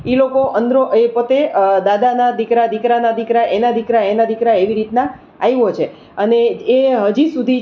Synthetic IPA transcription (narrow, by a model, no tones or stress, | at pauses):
ilokoʔənd̪ɾoʔepət̪ed̪ad̪anad̪ikɾad̪ikɾanad̪ikɾaʔenad̪ikɾaenad̪ikɾaeʋiɾit̪nã | ajʋot͡ʃʰe | əneːɦəd͡ʒisud̪ʱi